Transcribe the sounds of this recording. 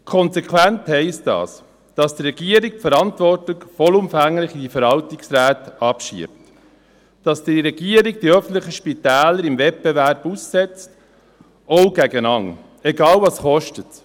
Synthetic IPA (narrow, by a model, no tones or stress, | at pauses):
kʰɔnsɛkʰwænthɛɪstdɑ̰ːs | d̥ɑsdɾɛɡiəɾik̚pfəɾɑntvɔrtɪkfɔlumfæŋlɪχid̥ifəɾɑltɪksɾæːtɑpʃḭəp̚t | d̥ɑsd̥iɾɛɡiəɾiɡ̚d̥iœfn̩t̪ləχəʃpitæːləɾimvɛt̚b̥ɛvæɾb̥usːɛt͡st | ɔʊɡæɡənɑŋ | ɛɡɑːlvɑsχɔʃtət